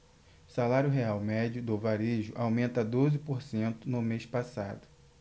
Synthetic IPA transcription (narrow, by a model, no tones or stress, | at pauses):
salaɾjʊɦeawmɛd͡ʒiʊd̪ovaɾeʒʊʔawmẽnt̪ɐd̪ozɪpoɾsẽnt̪ʊnʊmespasa̰d̪ʊ